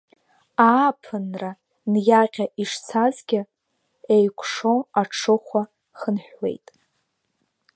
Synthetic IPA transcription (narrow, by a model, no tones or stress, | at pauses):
aːpʰɨnra | njaqʲaʔiʂt͡sʰazɡʲɪ | ejkʷʰʼʂoaʈ͡ʂʰɨχʷa | χənħᶣwe̞̰jtʼ